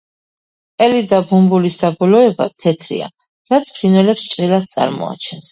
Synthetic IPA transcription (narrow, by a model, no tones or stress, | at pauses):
ɛlid̪abumbulisd̪abɔlɔɛba̰t̪ʰɛt̪ʰɾḭa̰ | ɾat̪sʰpʰɾinɛlɛpst͡ʃʼɾilad̪̚t̪sʼa̰ɾmɔ̰a̰t͡ʃʰɛns